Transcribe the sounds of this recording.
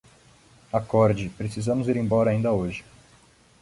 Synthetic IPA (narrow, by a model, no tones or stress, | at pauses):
akɔɾd͡ʒɪpɾesizɐ̃mʊziɾẽj̃bɔɾɐaĩnd̪ɐoʒɪ